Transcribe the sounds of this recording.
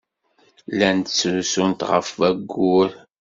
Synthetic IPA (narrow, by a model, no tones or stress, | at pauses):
lænt̪t͡sːusunt̪ʁə̰fvæɡːʊɾ